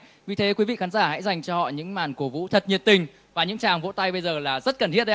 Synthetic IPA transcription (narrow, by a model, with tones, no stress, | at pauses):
vi˨˩t̪ʰe˨˦kwi˨˦vḭ˧˨xaː˨˦nzaː˧˩ha̰˧˥jza˨˩jŋ̟t͡ɕɔ˧hɔ̰˧˨ɲɨ̰˧˥ŋmaː˨˩nku˧˩vṵ˧˥t̪ʰə˨˩t̚ɲi˨˩ət̚t̪ï˨˩ŋ̟ | vaː˨˩ɲɨ̰˧˥ŋt͡ɕaː˨˩ŋvo̰˧˥t̪a˧jɓə˧jzəː˨˩laː˨˩zə˦˥t̚kə˨˩nt̪ḭ˧˥t̚ɗ